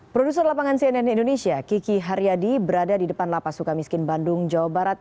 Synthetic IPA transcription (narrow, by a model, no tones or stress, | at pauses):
pɾodusərlapaŋansiɛnɛnindonesiakikiɦaɾjadibəɾadadidəpanlapasukamiskɪnbandʊŋd͡ʒawabaɾat̪̚